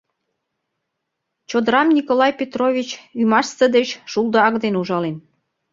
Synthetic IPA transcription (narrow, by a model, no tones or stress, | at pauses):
t͡ɕod̪əɾɑmnʲikolɑjpʲet̪rovʲit͡ɕymɑʃsəd̪et͡ɕʃulˠd̪əɑkd̪enuʒɑlen